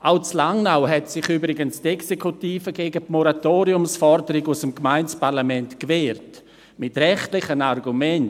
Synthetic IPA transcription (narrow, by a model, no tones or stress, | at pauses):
ʔawt͡slaŋnawɦɛtsɪχybɾɪɡənstɛksekʰutiːfəɡeːɡəpmɔɾatoːɾiʊmsfɔɾdəɾɪɡusəmkmaɪnt͡spaʁlamɛntkvɛːrt | mɪtrɛχtlɪχənarɡumɛn